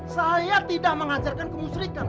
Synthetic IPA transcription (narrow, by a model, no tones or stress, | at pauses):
sajat̪idaʔ̚məŋad͡ʒarkankəmusɾikan